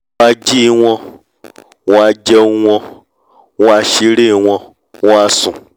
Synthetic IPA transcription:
a˧d͡ʒi˦wʷɔ̃˧ | wa˧d͡ʒe˦wʷɔ̃˧ | wa˧ʃi˧ɾi˦˧wʷɔ̃˧ | wa˧sũ˨

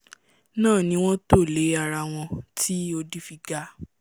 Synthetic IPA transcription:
nãː˦˨nĩ˧˦w̃ɔ̃˦to˦˨le˨˦a˧ɾa˧w̃ɔ̃˧tʰi˦o˧di˦fi˧ɡa˧

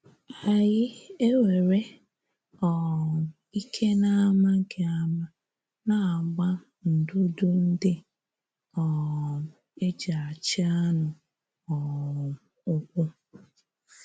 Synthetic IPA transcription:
a˨jɪ˦e˦we˨ɾe˦ | ɔ˨ | i˦kʰe˦na˦ma˦ŋ̩˦kʰe˨a˦ma˦ | na˨a˨ɡ͡ba˦ | n̩˨dʊ˦dʊ˦n̩˦dɪ˦ | ɔ˨ | e˦d͡ʒa˨a˨t͡ʃɪ˦a˦nʊ˨ | ɔ˨ | ʊ˦k̚ʊ˦

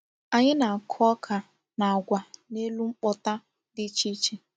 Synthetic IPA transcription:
a˨ɲɪ˦na˨a˨kʰɔ˦kʰa˨ | na˨a˨ɡʷa˨ne˦lu˦ŋ͡m̩˦k͡pɔ˦ta˦ | dɪ˦t͡ʃi˦t͡ʃe˦

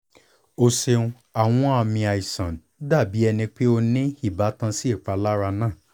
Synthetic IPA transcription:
o˧se˧ũ˧ | a˨w̃ɔ̃˦a˧mĩ˧a˨i˨sã̰˨n˨˦da˦˨bi˨˦ɛ˧nĩ˧k͡pe˦o˧nĩ˦i˦˨ba˨˦tã˧si˦e˦˨k͡pa˧la˦ɾa˧nãː˦˨

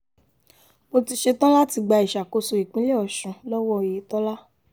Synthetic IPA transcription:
mo˧ti˧ʃe˧tɔ̃˦la˦ti˧ɡ͡ba˧i˨ʃa˨ko˧so˨i˨k͡pĩ˦le˦ɔ˨ʃũ˨˧lɔ˦wɔ˦˨je˨˦tɔ̃˦la˦

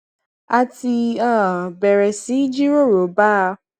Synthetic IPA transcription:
a˧ti˧ã˦˨bɛ˨ɾɛ˨si˨˦d͡ʒi˦ɾo˦˨ɾo˨˦ba˦˧

